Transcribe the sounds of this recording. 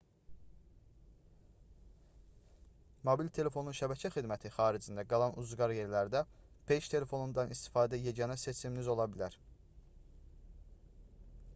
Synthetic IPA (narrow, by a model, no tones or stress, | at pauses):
mobilt̪ʰe̞le̞fo̞nunʃæbæcʰæxid̪mæt̪ʰixɑːɾid͡ʒind̪æɡɑlˠɑnʔuzɡɑɾje̞ɾlæɾd̪æpʰe̞ʃt̪ʰe̞le̞fo̞nund̪ɑnist̪i̥fɑːd̪æjeɟɑnɑse̞t͡ʃʰiminizo̞lˠɑbilæɾ